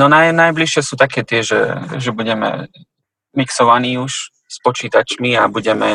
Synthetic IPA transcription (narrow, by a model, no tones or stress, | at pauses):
nɔnanajbliʃɪɛsuːt̪akɛːt̪ɪɛʒɛ̰ʒɛbuɟɛmɛ̰ | miksɔʋaniːuʃ | spɔt͡ʃiːt̪at͡ʃmiabuɟɛmɛ